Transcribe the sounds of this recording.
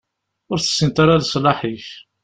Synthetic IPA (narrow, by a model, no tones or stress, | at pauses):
ʊɾθə̥sːənt̪ɑɾalsˤlɑħiç